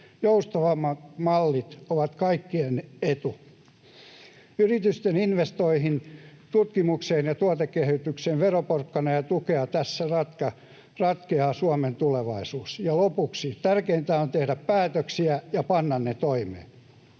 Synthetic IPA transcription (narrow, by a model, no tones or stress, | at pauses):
joust̪ɑʋɑmɑmɑlːit̪oʋɑt̪kɑikːienet̪u | yrit̪yst̪eninʋest̪oihint̪ut̪kimukseːnjɑt̪uot̪ekːehyt̪ykseːʋʋeroporkːɑnɑjɑt̪ukeɑt̪æsːærɑt̪kɑ | rɑt̪keɑːsuɑment̪uleʋɑisuːsjɑlopuksit̪ærkeint̪æːont̪ehdæppæːt̪øksiæjɑpɑnːɑnnet̪oimḛː